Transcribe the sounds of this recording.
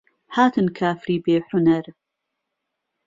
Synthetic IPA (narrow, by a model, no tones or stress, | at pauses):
ħaːt̪ʰɨnkʰaːfɾiːbeːħʊnɐɾ